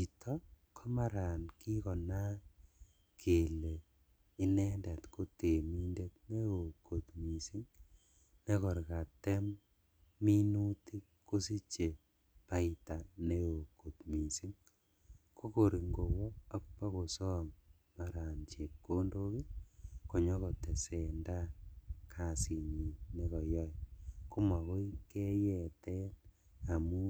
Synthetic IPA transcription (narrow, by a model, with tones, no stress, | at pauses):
i˨tʰɔ˦kʰɔ˦ma˨ɾa˨nki˦kɔ˨na˦ | kʰe˨le˨ | ɪ˦nɛ˦ndɛ˨tko˦te˨mi˦nde˦t̚ne˦o˨ko˨t̪mi˨si˦ŋ | ne˦kɔ˨ɾka˨tɛ˦mː | i˦nu˦ti˦ | ko˦si˦t͡ʃe˨ | pa˦ɪ˦ta˨ne˦o˨ko˨tmi˨si˦ŋ | kʰo˦ko˨ɾi˨ŋɡo˨wɔ˦a˦k̚pa˦ko˨sɔ˦m | ma˨ɾa˨nt͡ʃe˨ko˦ndo˦ki˦ko˨ɲɔ˦kɔ˨tɛ˨se˨nda˦kʰa˨si˨ɲi˨ne˦kɔ˨jɔ˦jku˦ma˨ko˦i˦ke˦jɛ˨tɛ˦n | a˨mu˦